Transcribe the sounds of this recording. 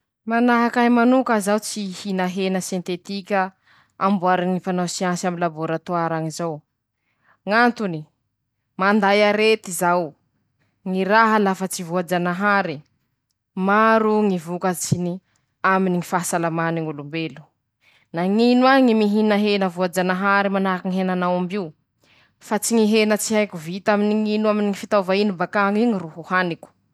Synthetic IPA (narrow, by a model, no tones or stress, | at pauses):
manaɦakaimanukazawt͡sihinaɦenəsjent̪et̪ikʲə | ambuaɾaŋifanawsiansamilaboɾat̪oaɾaŋizaw | ŋant̪uni | mand̪ajaɾet̪izaw | ŋiɾaɦəlafət͡sivuad͡ʒanaɦaɾi | maɾuŋivukət͡sini | aminiŋifaɦasalamaniŋulumbelu̥ | naŋinwaŋimiɦinaɦenəvuad͡ʒanaɦaɾimanakiŋiɦenanawambiu | fat͡siŋiɦenət͡siajkuvit̪aminiŋinuaminiŋifit̪avainibakaŋiɲiruhuhanikʲu̥